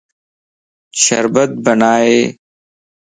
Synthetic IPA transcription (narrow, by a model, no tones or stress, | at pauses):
ɕɐ̰ɾbɐt̪̚bɐnaːeː